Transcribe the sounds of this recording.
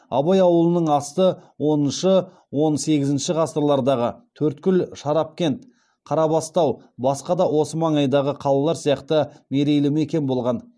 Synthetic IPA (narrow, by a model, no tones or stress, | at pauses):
ɑ̰bɑjɑwəlˠənəɴɑst̪əwo̞nənʃə | wo̞nse̞ɡʲɪzɪnʃɪʁɑst̪əɾlˠɑɾd̪ɑʁət̪ʰɵɾt̪kʲʏlʃɑɾɑp̚kʲe̞nt̪ | qʰɑɾɑbɑst̪ɑwbɑsqɑd̪ɑwo̞səmɑɴɑjd̪ɑʁəqʰɑlˠɑlˠɑɾsijɑqt̪əme̞ɾe̞jlɪmekʲe̞nbo̞lˠʁɑn